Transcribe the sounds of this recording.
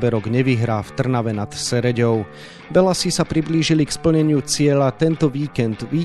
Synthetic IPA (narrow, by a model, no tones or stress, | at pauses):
bɛɾɔɡɲɛʋiɦɾaːft̪r̩naʋɛnat̪sɛɾɛɟɔʊ | ʋɛlasisapɾibliːʒilikspl̩ɲɛɲɪut͡sɪɛʎat̪ɛnt̪ɔʋiːkɛnd̪ʋiː